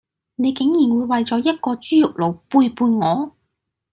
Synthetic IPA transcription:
ne˨˧jkɪ˨˥ŋjiː˨˩nwuː˨˧jwɐ˨jt͡sɔː˨˥jɐ˥t̚kɔː˧t͡ʃyː˥jʊ˨k̚lo˨˩wpuː˧jpuː˧jŋɔː˨˧

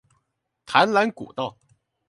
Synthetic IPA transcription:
t̪ʰa˧˥nla˧˥nkṵ˨˩t̪ɑ˥˩ʊ

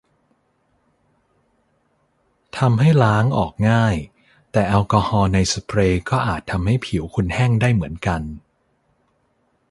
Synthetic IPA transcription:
t̪ʰa˧mɦa˥˩jlaː˦˥ŋʔɔː˨˩k̚ŋaː˥˩j | t̪ɛː˨˩ʔɛ˧wkɔː˧hɔː˧na˧jspʰɾeː˧kɔː˥˩ʔaː˨˩t̪ʰːa˧mha˥˩jpʰi˩˦wkʰu˧nhɛː˥˩ŋdaː˥˩jmɯ˩˦ənka˧n

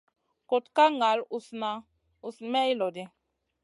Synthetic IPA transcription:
ko˨tka˦ŋa˨˦lu˨sna˨ | u˨smɛ˦i˦lɔ˨di˦

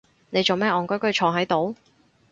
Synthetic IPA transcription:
ne˨˧jt͡so˨wmɛː˥ʔɔː˨˩ŋkɔ˥kɵ˥t͡ʃʰɔː˨˧ŋɦɐ˨˥jt̪o˨˥w

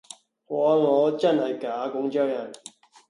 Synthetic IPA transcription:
kɔː˨˧˥ŋɔː˨˧t͡sɐ˥nhɐ˨jkaː˨˥kʊ˧˥ŋt͡ʃœː˥˩jɐ˨˩n

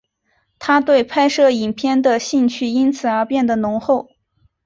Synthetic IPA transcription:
t̪ʰa˥t̪we˥˩ɪpʰa˥ɪʂɤ˥˩i˨˩npʰjɛ˥nd̪ə˨ɕi˥˧ŋt͡ɕʰy˥˩i˥nt͡sʰɹ̩˨˩ə˞˧˥pjɛ˥˩nd̪ə˩nʊ˧˥ŋxo˥˩ʊ

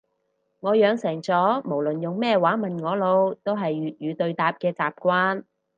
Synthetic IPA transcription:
ŋɔː˨˧jœː˨˧ŋsɛː˨˩ŋt͡sɔː˨˥mo˨˩wlɵ˨njʊ˨ŋmɛː˥waː˨˥nmɐ˨nŋɔː˨˧lo˨˧wt̪o˥wɦɐ˨jːyː˨t̚jyː˨˧t̪ɵ˧ɥt̪aː˨p̚kɛː˧t͡saː˨p̚kʷwaː˥n

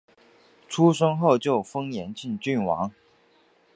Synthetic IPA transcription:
ʈ͡ʂʰu˦ʂə˥ŋxo˥˨ʊt͡ɕjo˥˩ʊfɤ˥ŋjɛ˧˥nt͡ɕi˥˨nt͡ɕy˥˩nwɑ̰˧˦ŋ

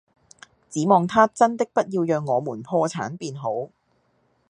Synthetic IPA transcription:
t͡siː˨˥mɔː˨˧ŋt̪ʰaː˥t͡sɐ˥nt̪ɪ˥k̚pɐ˥t̚jiː˧wjœː˧ŋːɔː˨˧muː˨˩npʰɔː˧t͡sʰa̰ː˨˥npiː˧nɦo˨˥w

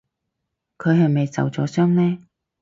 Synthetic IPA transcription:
kʰɵ˨˧ɥɦɐ˨jme˨jt͡sɐ̰˨wt͡sɔ̰ː˨˥sœː˥ŋnɛː˥

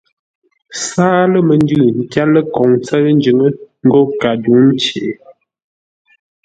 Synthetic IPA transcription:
saː˦lə˦mə˨n˦dʉ˦˨n̩˨tja˦lə˦kɔ˨ŋt͡sə˦n˦d͡ʒʉ˨˦ŋə˦ŋ̩˦ɡo˦ka˨du˨˦n̩˦t͡ʃe˨˦

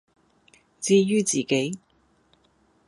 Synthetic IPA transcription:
t͡siː˥˧jyː˥t͡siː˨ke˨˥j

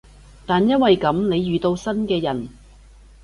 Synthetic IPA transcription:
t̪aː˨njɐ˥nwɐ˨jkɐ˨˥mne˨˧jːyː˨t̪o˧wsɐ˥nkɛː˧jɐ˨˩n

